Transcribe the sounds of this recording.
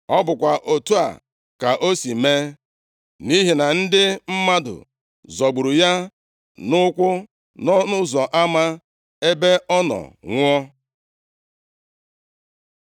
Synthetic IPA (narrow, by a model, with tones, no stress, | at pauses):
ɔ˦bʊ˨kʷa˨ʔo˨tu˦a̰˨ | ka˨ʔo˦si˨me˦ | mi˦ɦi˨na˨n̩˦dɪ˦m̩˦ma˦dʊ̰˨ | zɔ˨ɡ͡bu˨ɾu˨ja˦ | nʊ˦kʷʊ˦ | nɔ˦nʊ˦zɔ˨ʔa˦ma˦ | e˦be˦ɔ˦nɔ̰˨ŋʷɔ˦